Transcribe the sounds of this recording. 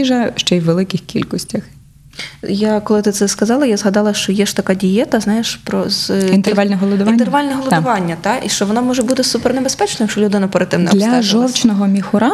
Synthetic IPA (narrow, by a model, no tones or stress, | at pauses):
iʒɐʃt͡ʃɛjʋʋelˠɪkɪxkʲḭlʲkɔsʲtʲɐx | jakɔlˠɪt̪ɪt̪sɛskɐzɑlˠɐjazɦɐd̪ɑlˠɐʃt͡ʃɔjɛʃt̪ɐkɑdʲijɛt̪ɐznɑjeʃpɾɔzint̪eralʲnɛɦɔlˠɔd̪ʊʋɑnnʲt̪erʋɑlʲnɛɦɔlˠɔd̪ʊʋɑnʲːɐt̪ɑʔiʃt͡ʃɔʋɔnɔmɔʒɛbut̪ɪsupɛrnebespɛt͡ʃnɔjɐkt͡ʃɔlʲʊd̪ɪnɐpɐɾɐt̪ɪwnɐlʲɐʒɔwt͡ʃnɔɦɔmʲixʊɾɑ